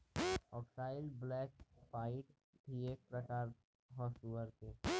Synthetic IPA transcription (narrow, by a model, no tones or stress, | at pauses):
ɔːksaːɪlblɛːkpaːɪʈ | ʈieːk̚pɾəkaːɾ | ɦɔːsuːʋəɾt̪eː